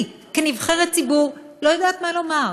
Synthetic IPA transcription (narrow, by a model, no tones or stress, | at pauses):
kenivχeʁett͡sibuʁlo̞jad̪aːt̪malo̞maʁ